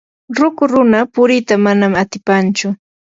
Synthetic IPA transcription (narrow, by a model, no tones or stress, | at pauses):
ɾʊkʊɾʊnapʊɾɪt̪amanamat̪ɪpant͡ʃʊ